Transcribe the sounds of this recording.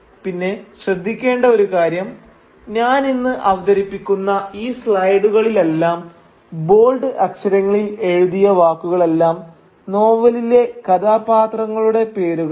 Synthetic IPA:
pinːe̞ɕrɐd̪ʱːikʲːe̞ːɳɖɐo̞ɾukaːɾjɐm | ɲaːninːɨʔɐʋɐd̪ɐɾipːikʲːunːɐiːsɭɐjɖuɣɐɭile̞lːaːm | bo̞ːlɖɨʔɐkɕɐɾɐŋːɐɭile̞ɻuðijɐʋaːkːuɣɐɭe̞lːaːm | no̞ːʋɐlile̞kɐd̪aːpaːt̪rɐŋːɐɭuɽe̞pe̞ːɾuɣɐɭ

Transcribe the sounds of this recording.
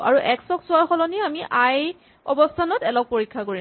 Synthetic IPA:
ʔa̰ɹuʔɛksɔksʊaɹxɔlɔniamiʔaj | ɔ̰bɔstʰanɔtɛlɔk̚poɹikʰːakoɹi

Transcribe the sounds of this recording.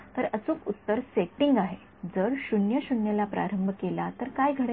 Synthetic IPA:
t̪əɾəsuːkut̪ːəɾseʈiŋɡaɦe | d͡zəɾɕuɳjəɕuɳjəlapɾa̰ɾəmbʱkelat̪əɾkajɡʱəɽe

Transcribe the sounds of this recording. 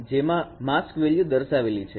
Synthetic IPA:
d͡ʒemãmaskʋeɭijud̪əɾʃaʋelit͡ʃʰe

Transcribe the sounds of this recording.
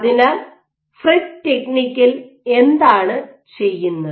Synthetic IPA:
ðinɐ | fridteknikʲːil | e̞nd̪aːɳɨ | t͡ɕe̞jːunːɐ

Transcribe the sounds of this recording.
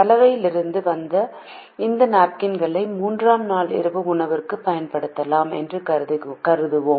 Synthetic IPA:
ɐlɐʋɐjɪlɪɾɯnd̪ɯʋɐnd̪ɐ | ɪnd̪ɐnaːp̚kɪnɡɐɭɐɪmuːndraːmnaːlɪ̰ɾɯbɯʊɳɐʋɪrkɯpːɐjɐnpɐɽɯt̪ːɐlaːmɛ̰ndrɯkɐkɐɾɯðɯʋoː

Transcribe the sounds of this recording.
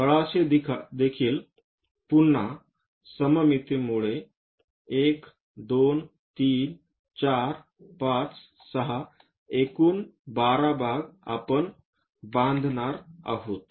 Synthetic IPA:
kəɭaseid̪ekʰiːl | punːa | səməmit̪imuɭe | ek | d̪on | t̪iːn | t͡ɕaɾ | pãt͡s | səɦa | ekuːnbaɾabʱaɡa̰pəɳ | bãnd̪ʱnaɾa̰ɦot̪

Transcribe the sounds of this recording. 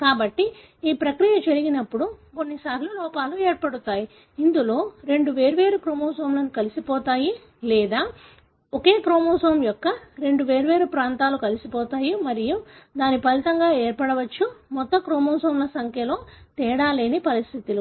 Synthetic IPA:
kaːbɐʈːi | iːpɾɐkɾijɐd͡ʒɐɾiɡinɐpːuɽuko̞nːisaːɾlulɔːpaːlueːɾpɐɽut̪aːji | ind̪ulo̞ːɾe̞ɳɖuʋe̞ːɾuʋe̞ːɾukɾoːmoːsʋɐmlɐnukɐlisipɔːt̪aːji | lɛːd̪aː | oke̞ːkɾoːmoːsɐʋɐmjɔkːɐɾe̞ɳɖuʋe̞ːɾuʋe̞ːɾupɾaːnt̪aːlukɐlisipɔːt̪aːjimɐɾijud̪aːnipɐlit̪ɐŋɡaːeːɾpɐɽɐʋɐt͡ʃːumɔt̪ːɐkɾoːmɔːsɐɐmlɐsɐŋkjɐlo̞ːt̪ɛːɽaːleːnipɐɾist̪ʰit̪ulu

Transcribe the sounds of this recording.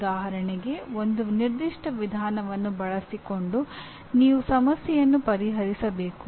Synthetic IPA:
d̪aːɦɐɾɐɳiɡe̞ond̪uniɾd̪iʂʈɐʋid̪ʱaːnɐʋɐnːubɐɭɐsiko̞ɳɖu | niːʋusɐmɐsjɛjɐnːupɐɾiɦɐɾisɐbe̞ːku

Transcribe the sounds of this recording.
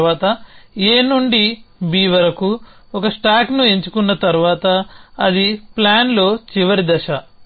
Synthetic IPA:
ʋaːt̪ɐeːnuɳɖibiːʋɐɾɐku | ɔkɐsʈaːknue̞ɲt͡ʃu̥kunːɐt̪ɐɾuʋaːt̪ɐːd̪iplaːnlo̞ːt͡ʃiʋɐɾid̪ɐʃɐ

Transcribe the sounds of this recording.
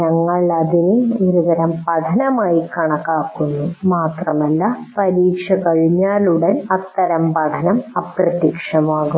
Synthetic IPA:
ɲɐŋːɐɭɐðinɨoɾuʋɐɾɐmpɐd̪ʱɐnɐmaːjikɐɳɐkːaːkːunːumaːt̪rɐmɐlːɐpɐɾiːkʂɐkɐɻiɲːaːluɽenɐt̪ːɐɾɐmpɐd̪ʰʱɐnɐmɐprɐt̪jikʂɐmaːɣu

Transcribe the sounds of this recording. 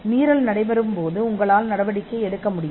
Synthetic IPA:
niːɾɐlnɐɽɐɪʋɐɾɯmpoːðɯʊŋɡɐɭaːlnɐɽɐʋɐɽɪkːɐɛɽɯkːɐmʊɽɪj

